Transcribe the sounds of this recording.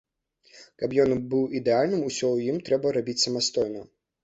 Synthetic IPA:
kapjɔnbɨwid̪ɛalʲnɨmusʲɔjimt̪ɾɛbɐɾabʲit͡sʲsɐmɐst̪ɔjnɐ

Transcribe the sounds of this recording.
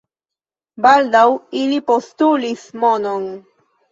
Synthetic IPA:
bald̪awilipostulismonon

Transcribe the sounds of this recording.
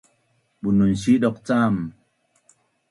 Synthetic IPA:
ɓununsiɗɔk̚t͡sam

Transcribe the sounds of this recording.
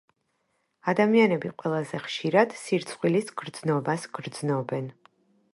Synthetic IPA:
ad̪amianɛbiqʼwɛlˠazɛχʃiɾad̪̥siɾt̪sʰχwilisɡ̥ɾd̪znɔbasɡ̥ɾd̪znɔbɛn

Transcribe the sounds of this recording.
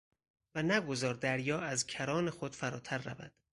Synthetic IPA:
vænæɡo̞zɒːɾd̪æɾjɒːæzcʰæɾɒːne̞xo̞d̪̥fæɾɒ̰ːt̪ʰæɾːævæ̰d̪̥

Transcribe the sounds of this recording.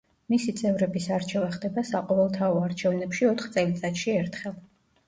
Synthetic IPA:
misit̪sʼɛvɾɛbisaɾt͡ʃʰɛvaχd̪ɛbasaqʼɔvɛlˠt̪ʰaɔaɾt͡ʃʰɛvnɛpʃiɔt̪ʰχt̪sʼɛlit̪sʼat̪ʃiɛɾt̪ʰχɛlˠ

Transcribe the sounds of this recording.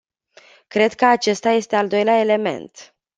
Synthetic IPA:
kɾe̞d̪kəat͡ʃe̞st̪aje̞st̪eald̪o̞jleae̞le̞me̞̰nt̪

